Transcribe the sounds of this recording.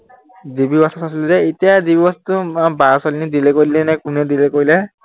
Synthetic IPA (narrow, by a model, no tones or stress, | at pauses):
zibibasasasiluzɛetijazibibɔstʊabasɔlinidilɛkoɹilɛnɛkunɛdilɛkoɹilɛ